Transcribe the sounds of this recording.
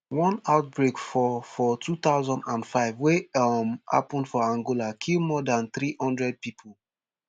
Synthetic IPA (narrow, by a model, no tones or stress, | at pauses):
wɔ̃naʊt̚bɹekfɔfɔtʰut̪aʊzɔ̃ndãndfaɪvwemha̰pɔ̃ndfɔãŋɡolakʰilmɔdãnθɹihɔ̃ndɹɛd̚pipʰol